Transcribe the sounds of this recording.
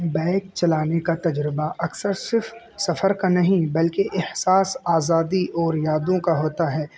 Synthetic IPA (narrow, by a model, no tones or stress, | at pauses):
bɛ̃ːk̚t͡ʃɐlaːnekat̪ɐd͡ʒɾɪbaʔɐksəɾsɪɾf | sɐfəɾkanɐɦĩbɐlkeʔɪhsaːsaːzaːd̪iʔɔːɾjaːd̪õkaɦoːt̪aɦɛː